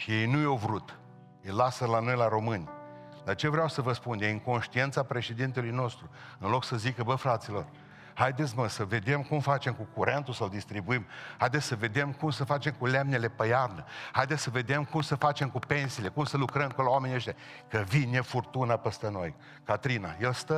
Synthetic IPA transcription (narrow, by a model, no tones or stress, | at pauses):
ʃije̞jnujovɾut̪ | ijlasəlano̞jlaɾo̞mɨnʲ | lat͡ʃe̞vɾeawsəvəspunjeɨŋko̞nʃt̪ient̪sapɾe̞ʃe̞d̪int̪elujno̞st̪ɾu | ɨnlo̞ksəzikəbəfɾat̪silo̞̰r | hajd̪et̪sʲməsəve̞d̪e̞mkumfat͡ʃe̞mkukuɾent̪usəld̪ist̪ɾibuimhajd̪esʲsəve̞d̪e̞mkumsəfat͡ʃe̞mkulemne̞le̞pəjarnəhajd̪etsʲsəve̞d̪e̞mkumsəfat͡ʃe̞mkupe̞nsiːle̞kumsəlukɾəmkolawamenieʃt̪e | kəvinjefurt̪unapəst̪əno̞j | kat̪ɾina̰jelst̪ə